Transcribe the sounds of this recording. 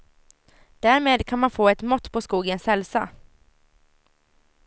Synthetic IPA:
d̪̥æːɾmeːd̪kʰanmanfoːɛt̪mɔt̪ːpʰɔskuːɡəɛnsɛlsa

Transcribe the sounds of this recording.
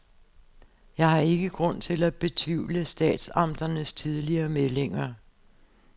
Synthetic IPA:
jɑ̈ɪɦɑ̈e̝ɡ̥əɡ̥ʁɔ̽n̰t͡sʰe̝læb̥e̝t͡sʰʋiʊ̰ləsd̥ɛ̰ːd̥sɑ̈md̥ɐnəst͡sʰið̞ˠliɐːmele̝ŋɐ

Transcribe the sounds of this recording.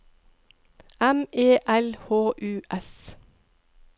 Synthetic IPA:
ɛmeːʔɛlhoːʔʉːʔɛs

